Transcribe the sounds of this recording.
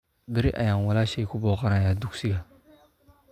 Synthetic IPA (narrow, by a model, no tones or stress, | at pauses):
beɾiʔa̰jãŋwalaʃekubɔkaɾajaduɡsiɡa